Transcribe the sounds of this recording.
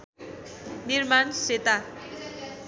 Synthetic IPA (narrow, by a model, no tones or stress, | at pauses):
nirmanset̪a